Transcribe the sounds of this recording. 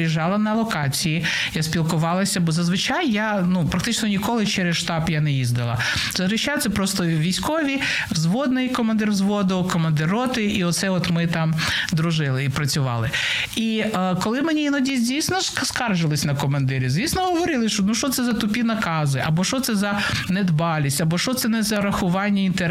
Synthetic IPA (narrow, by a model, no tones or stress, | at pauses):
iʒɑlˠɐnɐlˠɔkɑt͡sʲiji | jasʲpʲilˠkʊʋɑlˠɐsʲɐbɔzɐzʋɪt͡ʃajːanupɾɐkt̪ɪt͡ʃnɔnʲikɔlˠɪt͡ʃɛɾɛsʃt̪ɑbjanɛjizd̪ɐlˠɐ̰ | zɐzɾɪʃajt̪sɛpɾɔst̪ɔʋʲijsʲkɔʋʲi | wzʋɔd̪nɪjkɔmɐnd̪ɪrzʋɔd̪ɔkɔmɐnd̪ɪɾɔt̪ɪʔiɔt̪sɛɔt̪mɪt̪ɑmd̪ɾʊʒɪlˠɪipɾɐt͡sʲʊʋɑ̰lˠɪ | i | kɔlˠɪmenʲiinɔdʲizʲdʲijsʲnɔskskɑrʒɪlˠɪsʲnɐkɔmɐnd̪ɪɾʲizʲʋʲisʲnɔɦɔʋɔɾɪlˠɪʃt͡ʃɔnuʃt͡ʃɔt̪sɛzɐt̪ʊpʲinɐkɑzɪʔɐbɔʃɔt̪sɛzɐ | nɛd̪bɑlʲisʲtʲɐbɔʃt͡ʃɔt̪sɛnɛzɐɾɐxʊʋɑnʲːɐint̪eɾ